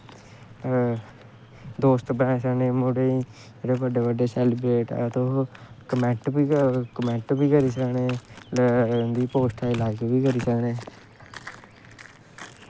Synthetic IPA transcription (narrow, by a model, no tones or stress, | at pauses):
d̪oːst̪bənãeːsəkneːmoɽeːi | eːɽeːbəɖeːbəɖeːsɛːlɪbɾeːʈːt̪õːkəmɛ̃ɳʈiːkəmɛ̃ɳʈbiːkəɾiːsəkneːld̪iːpoːsʈʰaːɪlaːɪkbiːkəɾiːsəkneː